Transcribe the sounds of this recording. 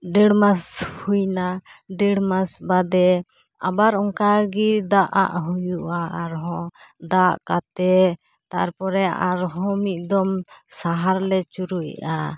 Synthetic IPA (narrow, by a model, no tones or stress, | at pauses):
ɖɛɽmashujnaɖɛɽmasbad̪ɛ | a̰baɾɔŋkaɡid̪aʔa̰ʔɦujuʔaaɾɦɔ̃d̪aʔkat̪ɛ | t̪aɾpɔɾɛʔaɾɦɔ̃mit̪̚ˀd̪ɔmsaɦaɾlɛt͡ʃuɾujʔa